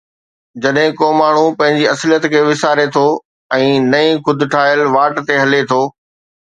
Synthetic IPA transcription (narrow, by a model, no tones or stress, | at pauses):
d͡ʑɐɗɦɪ̃koːmaːɳ̤ũpɐ̃ɦɪ̃ɲd͡ʑiɐsljət̪kʰeːʋɪsaːɾet̪ʰoː | ɛ̃ːnɐĩxʊd̪ʱʊʈʰaːɪəlʋaːʈt̪eɦɐlet̪ʰoː